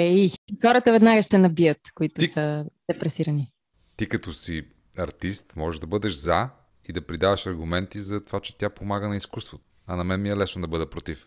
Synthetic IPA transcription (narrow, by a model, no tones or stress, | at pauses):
ɛixɔɾət̪əvɛd̪naɡəʃt̪ɛnɐbiət̪koit̪ʊsəd̪̥ɛpɾɛsiɾɐni | t̪ikɐt̪ɔsi | ɐɾt̪ist̪mɔʒɛʒd̪ɐbɤd̪ɛʃza | id̪ɐpɾid̪avɐʃɐɾɡumɛnt̪izɐt̪ovat͡ʃɛ̥t̪japomaɡənɐiskust̪vot̪ʊ̥ | ɐnɐmɛnmiɛlɛsnod̪ɐbɤd̪ɛpɾot̪if